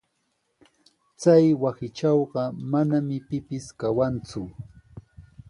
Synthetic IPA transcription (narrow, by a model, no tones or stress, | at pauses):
t͡sajwasɪt͡ʃɑwɢɑmanamɪpɪpɪskawant͡sʊ